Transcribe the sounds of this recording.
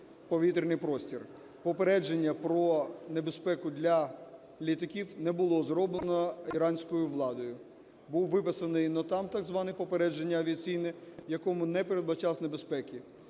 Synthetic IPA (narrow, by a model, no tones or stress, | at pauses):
pɔʋʲit̪ɾʲnɪjpɾɔsʲtʲir | pɔpeɾɛd͡ʒenʲːɐpɾɔnebespɛkʊd̪lʲɐ | lʲit̪ɐkʲiwnɛbʊlˠɔzɾɔblˠenɔiɾɑnʲsʲkɔjʊʋlˠɑd̪ɔjʊ | buwʋɪpɪsɐnɔjnɔt̪ɑmt̪ɑɡzʋɑnɪpɔpeɾɛd͡ʒenʲːɐːʋʲiɐt͡sʲijnɛjɐkɔmʊnɛpeɾed̪bɐt͡ʃɑsnebespɛkʲi